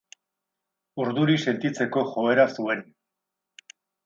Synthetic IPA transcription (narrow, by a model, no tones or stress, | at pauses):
uɾðuɾise̞nt̪it͡se̞ko̞xo̞eɾasue̞n